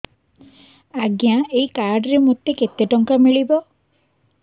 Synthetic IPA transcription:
aɡjaeikaɾɖɾemot̪ːeket̪eʈɔŋkamiɭibɔ

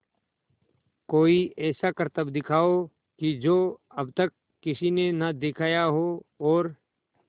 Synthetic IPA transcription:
koːiʔɛːsakɐɾt̪əbd̪ɪkʰaːo | kid͡ʒoːɐbt̪ɐkːɪsinenad̪ɪkʰaːjaɦoɔːɾ

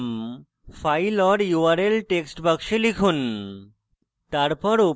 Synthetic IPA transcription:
m | fʰajlɔɾjuaɾelʈeksʈbəkʃelikʰun | t̪aɾpɔɾu

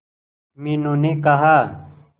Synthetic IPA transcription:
minõːnekɐɦaː

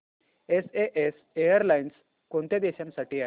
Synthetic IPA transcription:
eseʔes | ejəɾlains | kõnt̪ed̪eɕãmsaʈiːa

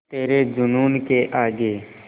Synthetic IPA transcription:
t̪eːɾed͡ʒʊnuːnkeʔaːɡe

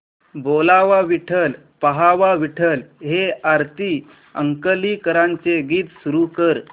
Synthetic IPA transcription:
bolaʋaʋiʈʰəl | pəɦaʋaʋiʈʰəlɦeaɾt̪i | ə̰ŋkəliːkəɾãɲt͡seɡiːt̪suɾukəɾ

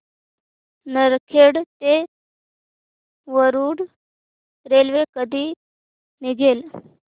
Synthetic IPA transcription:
nəɾkʰeɽt̪e | ʋəɾuːɽ | ɾelʋekəd̪ʱiː | niɡʱel

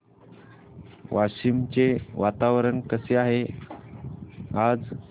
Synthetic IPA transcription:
ʋaɕimt͡seʋat̪aʋɾəɳkəseaɦe | ad͡z

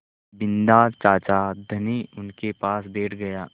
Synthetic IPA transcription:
bɪ̃nd̪at͡ʃaːt͡ʃad̪ʱɐniʊnkepaːsbʱeːʈʰɡɐjaː

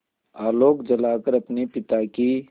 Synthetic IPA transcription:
aːloːkd͡ʒɐlaːkəɾɐpnepɪt̪aki

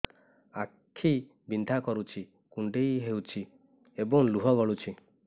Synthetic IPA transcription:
akʰːi | bind̪ʱakɔɾut͡ʃʰi | kuɳɖejɦewt͡ʃʰi | ebɔŋluɦɔɡɔɭut͡ʃʰi

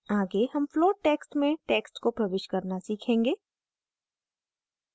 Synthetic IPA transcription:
aːɡehɐmfloːʈeːksʈmẽʈeːksʈkopɾɐʋɪʃkɐɾnasiːkʰẽːŋɡeː

